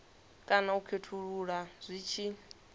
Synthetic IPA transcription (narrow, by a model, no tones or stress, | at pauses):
kʼanaukʰetʰuɺuɺaz̥ʷiːt͡ʃʰi